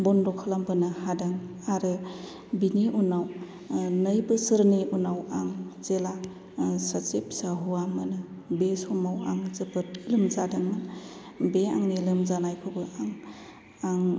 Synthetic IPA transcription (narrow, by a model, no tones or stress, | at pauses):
bɔnɾɔkʰalambɯnɯhadaŋ | aɾɯ | biniʔunaw | nəjbɯsɯɾniunawaŋzela | sat͡ʃepsaɦuwamɯnɯ | besɔmawaŋzɯpɯt̚ilɯmzadaŋmɯn | bea̰ŋnilɯmzanajpʰɯbɯʔaŋ | aŋ